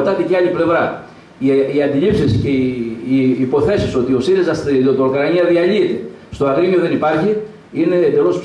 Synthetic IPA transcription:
t̪ɐt̪eceɐliple̞vɾɐ | iɐnd̪ilipsisceː | po̞θe̞siso̞t̪io̞siɾezɐsot̪oukɾɐniɐðiɐliet̪e̞ | st̪o̞ɐɣɾimio̞ðe̞nipɐɾçi | ine̞ːd̪e̞lo̞s

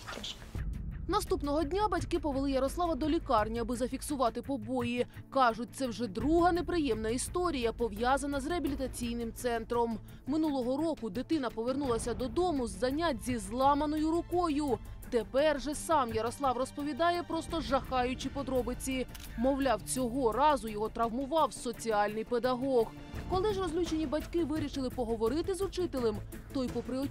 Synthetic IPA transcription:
nɐst̪upnɔɦɔdʲnʲabɐtʲkɪpɔʋelˠɪjɐɾɔslˠɑʋɐd̪ɔlʲikɑrnʲiɐbɪzɐfʲiksʊʋɑt̪ɪpɔbɔji | kɑʒʊt̚ʲt̪sɛwʐɛd̪ɾuɦɐnepɾɪjɛmnɐist̪ɔɾʲijɐpɔʋjazɐnɐzreɐbʲilʲit̪ɐt͡sʲijn̪ɪmt̪sɛnt̪ɾɔmː | ɪnulˠɔɦɔɾɔkʊd̪ɪt̪ɪn̪ɐpɔʋernulˠɐsʲɐd̪ɔd̪ɔmʊzːɐnʲazʲizlˠɑmɐnɔjʊɾʊkɔjʊt̪epɛrʒɛsɑmjɐɾɔslˠɑwrɔspɔʋʲid̪ɑjɛpɾɔst̪ɔʒɐxɑjʊt͡ʃipɔd̪ɾɔbɪt͡sʲi | mɔwlʲɑwt͡sʲɔɦɔɾɑzʊjɔɦɔt̪ɾɐwmʊʋɑwsɔt͡sʲiɑlʲnɪjped̪ɐɦɔɣ | kɔlˠɪʒrɔzʲlʲut͡ʃenʲibɐtʲkɪʋɪɾʲiʃɪlˠɪpɔɦɔʋɔɾɪt̪ɪzʊt͡ʃɪt̪elˠem | t̪ɔjpɔpɾɪɔ

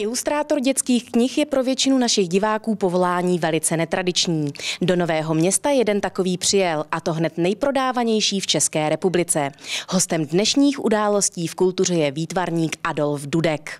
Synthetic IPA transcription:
ʔɪlust̪ɾaːt̪o̞ɾɟɛt͡skiːxkɲɪxjɛpɾo̞vjɛt͡ʃɪnunaʃɪɣɟɪvaːkuːpovo̞laːɲiːvɛlɪt͡sɛnɛt̪ɾadɪt͡ʃɲiːdo̞no̞vɛːɦo̞mɲɛst̪ajɛdɛnt̪ako̞viːpr̝̥ɪjɛlʔat̪o̞ɦnɛt̪nɛjpɾo̞daːvaɲɛjʃiːft͡ʃɛskɛːɾɛpublɪt͡sɛɦost̪ɛmdnɛʃɲiːxʔudaːlo̞sciːfkult̪ur̝ɛjɛviːt̪vaɾɲiːkʔado̞lfdudɛk

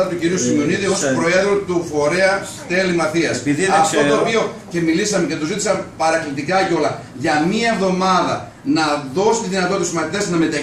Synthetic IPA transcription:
ɐt̪uciɾiusimeo̞niðiospɾo̞e̞ðɾot̪ufo̞ɾe̞ɐ | t̪e̞limɐθiɐsɐft̪ot̪o̞ːpio̞ce̞milisɐmece̞t̪ozit̪isɐmpɐɾɐklit̪ikɐco̞lɐ | ʝɐmiɐevðo̞mɐðɐ̰ | nɐðo̞si̥t̪iðinɐt̪ot̪szmɐθit̪e̞snɐme̞t̪ɐ

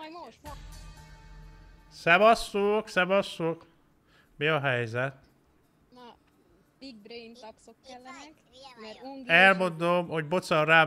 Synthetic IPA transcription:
sɛbɒsːoːksɛbɒsːoːk | miɒɦɛjzɛt̪ | ɛlmo̞nd̪omho̞ɟbot̪sɒrraː

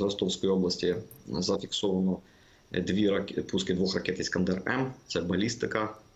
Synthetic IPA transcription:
ɾɐst̪ofskɔjoblˠɐsʲtʲɪzɐfʲɪksovɐnɔ | d̪vʲiɾɐpuskʲɪd̪vuxrɐkʲɛt̪ɪskɐnd̪ɛrɛ̰mt̪sɛbɐlʲist̪ɨkɐ

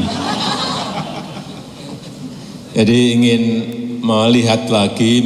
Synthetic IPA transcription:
d͡ʒadiːŋɪnmaliɦat̪laɡi

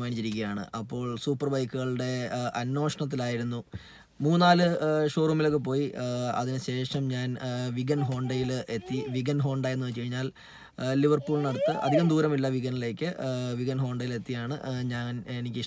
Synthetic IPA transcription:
maːnit͡ɕːiɾik̬ʲːɐjaːɳɨ̰ʔɐpːo̞ːɭsuːpːɐrbɐjkːuɣɐɭɨɽe̞ɐnːo̞ːʂɐɳɐt̪̬ːilaːjiɾunːu | muːnaːlɨʂo̞ːrumːilokːɨp̬o̞ːjiɐ̰ðinɨɕe̞ːʂɐmɲaːnʋiɡɐnɦo̞ːɳɖɐjile̞t̪ːiʋiɡɐnɦo̞ːɳɖɐjenːɨkɐɻiɲːaːlː | iʋɐrpuːlnɐɽɐt̪ːɨʔɐ̰d̪ʱiɣɐmd̪uːɾɐmilːɐʋiɡɐnile̞ːkʲːɨʋiɡɐnɦo̞ːɳɖɐjile̞t̪ːijaːɳɨɲaːnenikʲːɨiʂ

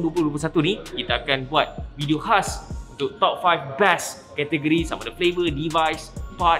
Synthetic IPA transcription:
duəplʊhdup̬lusat̪unikit̪aːkanbuat̪̚vidiohasunt̪uʔt̪ɔp̚fajfbɛs | kɛt̪ɛɡəɾisamadəflebədivajspat̚

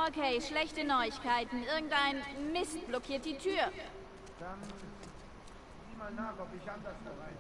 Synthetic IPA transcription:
ʔokʰeɪʃlɛçtənɔʏɪçkaɪtn̩ʔɪɐɡŋ̩tʔaɪnmɪst̚b̥lɔkʰiːɐt̚d̥iːtʰyːɐ | d̥an | ziːmaaːkɔpɪçabdasd̥abaɪ

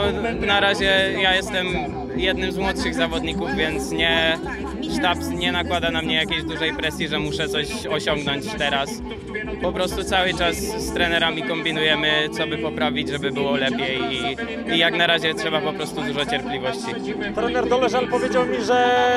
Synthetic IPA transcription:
naɾaʑɛjajɛst̪ɛm | jɛd̪nɘmzmwɔt̪ʂɘɣzavɔd̪ɲikuvvʲjɛnt̪sɲɛ | ʂt̪apsɲɛnakwad̪anamɲɛjakʲejʑd̪uʐɛjpɾɛsʲjiʐɛmuʂɛt̪sɔɕ | ɔɕɔŋɡnɔɲt͡ɕt̪ɛɾas | pɔpɾɔst̪ut̪sawɘt͡ʂasːt̪ɾɛnɛɾamʲikɔmbʲinujɛmɘt̪sɔbɘpɔpɾavʲid͡ʑʐɛbɘbɘwɔlɛpʲjejiː | jaknaɾaʑɛtʂɛbapɔpɾɔst̪ud̪uʐɔt͡ɕɛɾplʲivɔɕt͡ɕi | t̪ɾɛnɛɾd̪ɔlɛʐalpɔvʲjed͡ʑawmʲiʐɛ

